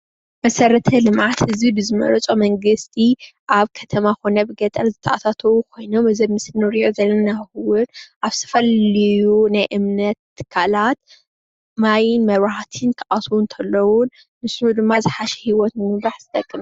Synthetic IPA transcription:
mɐsɐɾɐt̪ʰɐlɨmʕat̪hɨzibɨzɨmɐ̰ɾɐt͡sʼo̞mɐŋɡɨst̪ʰiʔaβkʰɐt̪ʰɐmakʰo̞nɐbɨɡɐt̪ʼɐlzɨt̪ʰɐʔat̪ʰat̪ʰɐwukʰo̞jnomɨzɐmɨsɨlnɨɾiʔozɐlːɐnnaxɨwɨɾʔaβsʰɐ̥fɐlɨjunajʔɨmnɐt̪ːɨ̥kʰːalat̪̚ | majɪnmɐβat̪ʰɨnt̪ʰɐʔaswunt̪ʰɐlːɐwʊn | mɨsnud̪ɨmːazɨħaʃɛ̥hiwɔt̪nɨmɨɾaħzɨt̪ʼɐkʼːɨmɐ

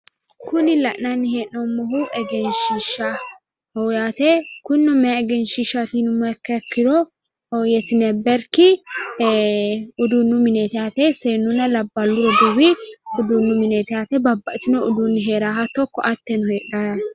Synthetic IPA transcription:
kʊnɪlɐ̰ʔnɐnːɪheːʔnɔmːɔɦuʔɛɡɛnʃiʃa | ɔwjaːt̪ɛkʊnːɔmɛaɛɡɛnʃɪʃat̪inʊmːɐɛkːɐkːɪd̪ɔ | ɔjɛt̪ɪnɛbɛɾkɪ | ʊd̪unːʊmɪnɛt̪ɪaːt̪ɛseːnːʊnɐlɐbːɐlːʊɾɔd̪uwɪʊd̪unːʊmɪnet̪ɪaːt̪ɛbɐbːɐʔt̪ɪnɔʊd̪unːɪɦeːɾaːɦɐt̪ːɔkːɔʔɐt̪ːɛnʊheːᶑaːɐ

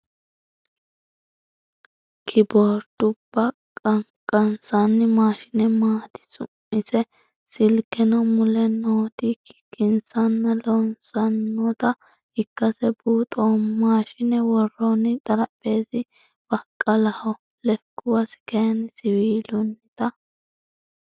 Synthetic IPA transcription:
kʰɪbɔɾt̪ʊb̥ːɐ | kʼɐŋkʼɐnsɐnːɪmaːʃɪnɛmaːt̪ɪ̥sʊmɪsɛ | sɪlkɛnɔmʊlɛnoːt̪ikɪ̥kːɪnsɐnːɐlɔnsɐnːɔt̪ɐ | ɪkːɐsɛbuːt̪ʼoːmaːʃɪnɛwɔrːɔnɪt̪ʼɐlɐpʼːe̞ːsɪ | b̥ɐkʼːɐlɐhɔ | lɛkːʊwɐsɪ̥kejɐnsɪwiːlʊnːɪt̪ɐ

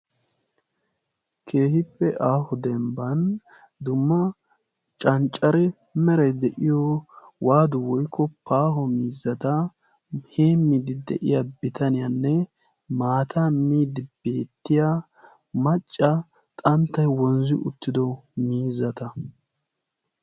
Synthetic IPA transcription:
kʰeːhɪpːɛʔaːhɔd̪ɛmbɐn | d̪ʊmːɐ | t͡ʃʼɐnt͡ʃʼːɐɾɛ | mɛɾɛd̪ɛʔɪjɔwʔaːd̪ʊwɔjkʰːɔpʰaːɦɔmiːzːɐt̪ɐ | heːmːid̪ɪd̪ɛ̰ʔɪ̰jabɪt̪ɐnɪjɐnːɛ | maːt̪ʰɐmiːd̪ɪbeːt̪ːɪja | mɐt͡ʃʼːɐ | t̪ʼɐnt̪ːɐjwɔnzɪʔʊt̪ːɪd̪ɔmiːzːɐt̪ɐ

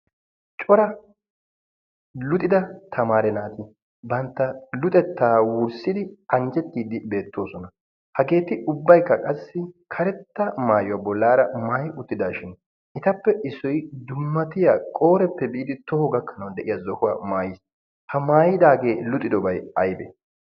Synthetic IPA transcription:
t͡ʃʼɔɾɐ | lʊt̪ʼɪd̪ɐt̪ʰɐmaːɾɛnaːt̪ɪ | bɐnt̪ːɐlʊt̪ʼɛt̪ːaːwʊɾsɪd̪ɪɐnd͡ʒɛt̪ːiːd̪ɪbe̞ːt̪ːo̞ːsɔnɐ | hɐɡe̞ːt̪ɪʔʊbːɐjkːɐkʼɐsːɪkʰɐɾɛt̪ːɐmaːjʊwabɔlːaːɾɐmaːjɪʊt̪ːɪd̪aːʃɪn | ʔɪt̪ɐpːɛʔɪsɔjd̪ʊmːɐt̪ɪjakʼo̞ːɾɛpːɛbɪʔɪd̪ɪt̪ɔhɔɡɐkːɐnɐwd̪ɛʔɪjazɔhʊwaːmaːjɪs | hɐmaːjɪd̪aːɡe̞ːlʊt̪ʼːɪd̪ɔbɐjɐjbḛ

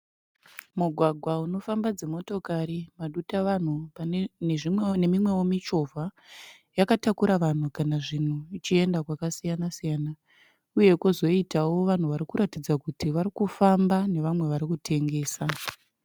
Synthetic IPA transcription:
muɡʱwaɡʱwauno̞fambad͡ze̞mo̞to̞kaɾimaɗutaʋan̤upaneʐimne̞mimwe̞wo̞mit͡ʃo̞vʱa | jakatakuɾaʋan̤ukanaʐin̤uit͡ʃie̞ndakwakasijanasijaːna | uje̞kozo̞itawo̞ʋan̤uʋaɾikuɾʔatid͡zakutiʋaɾikufambane̞ʋamwe̞ʋaɾikutʰe̞ŋɡe̞ːsa

